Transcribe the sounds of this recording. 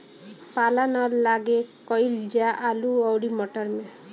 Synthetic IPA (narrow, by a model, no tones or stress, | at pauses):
palanɔɾlaɡekɔjld͡ʒaʔaluɔwɽimɔʈɔɾme